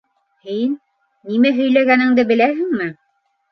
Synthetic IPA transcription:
hinː | imæɦɵ̆jlæɣænɘ̆ŋd̪ɘbɘ̆læɦɘŋmɘ

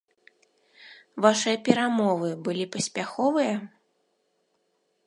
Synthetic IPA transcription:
vaʂɨjɐpʲɛɾamɔvɨbɨlʲipɐsʲpʲaxɔvɨjɐ

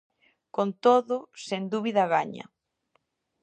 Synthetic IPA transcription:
kont̪oðʊsend̪uβiðɐɣaɲɐ̰

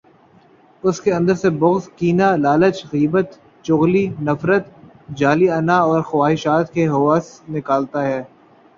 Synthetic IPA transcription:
ʊskeɐ̃nd̪əɾsebʊɣzkiːnalaːlət͡ʃɣiːbət̪ | t͡ʃʊɣlinɐfɾət̪ | d͡ʒaːliɐnaɔːɾxʊwaːɦɪʃaːt̪keɦʊʋasnɪkaːlt̪aɦɛː

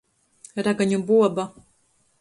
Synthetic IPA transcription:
ɾaɡaɲubuɔba

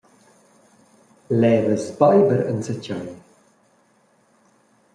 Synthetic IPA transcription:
lɛːðəspaɪbəɾə̰̃nsət͡ʃa

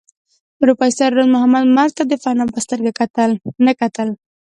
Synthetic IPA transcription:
ʊɾupɑisaɾɾonmʊhamad̪maɾt̪ad̪əfanapəst̪əɾɡakat̪əlnəkat̪əl

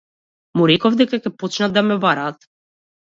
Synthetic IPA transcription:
muɾɛkɔvd̪ɛkakɛpɔt͡ʃnad̪amɛbaɾaːt̪

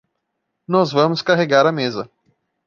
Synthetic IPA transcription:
nɔzvɐ̃mʊskaɦeɡaɾɐmezɐ

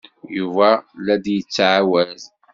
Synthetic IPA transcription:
juvælæd̪jət͡sːʕawæz

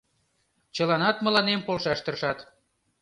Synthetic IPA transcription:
t͡ɕəlɑnɑt̪mə̆lɑnempolʃɑʃt̪ə̆rʃɑt̪

